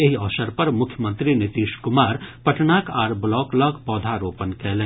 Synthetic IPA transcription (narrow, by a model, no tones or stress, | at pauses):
eɦiɔːsəɾpɐɾmʊkʰjəmə̃nt̪ɾinɪt̪iːʃkʊmaːɾpɐʈnaːkʰaːɾblɔːklɔːkpɔːd̪ʱaɾoːpənkɛːlẽː